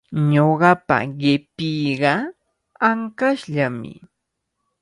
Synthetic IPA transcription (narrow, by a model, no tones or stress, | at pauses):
ɲoɢɑpa̰ɢɪpiːɢɑ | aŋkaʃʎamɪ̰